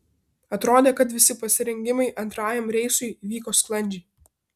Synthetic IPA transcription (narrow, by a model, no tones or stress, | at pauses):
ɐt̪ɾoːd̪ʲeːkɐt̪ʋʲɪsʲɪpɐsʲɪɾʲɛŋʲɡʲɪmɐɪʔɐnt̪ɾɑːjɛmɾʲɛɪsʊɪʋʲiːkoːsklˠɐnʲd͡ʒʲɛɪ